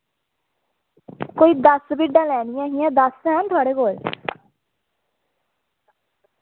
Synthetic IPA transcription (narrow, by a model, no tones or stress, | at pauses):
koːiːd̪əsbiɖːãːlɛːnɪjãːɦiːɛ̃ːd̪əsɦɛnt̪ʰʊaːɽeːkoːl